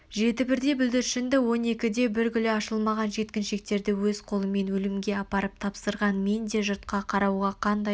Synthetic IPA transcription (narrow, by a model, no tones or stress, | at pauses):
ʒe̞t̪ɪbɪɾd̪e̞bʏld̪ɪɾʃɪnd̪ɪwo̞ne̞kʲɪd̪e̞bɪɾɡʲʏlɪɑʃəlˠmɑʁɑnʒe̞t̪kʲɪnʃe̞k̚t̪e̞ɾd̪ɪwɵzqʰo̞lˠəme̞nwɵlɪmɡʲe̞ɑpɑɾəp̚t̪ʰɑpsəɾʁɑnme̞nd̪e̞ʒʊɾt̪qɑqʰɑɾɑwʁɑqʰɑnd̪ɑj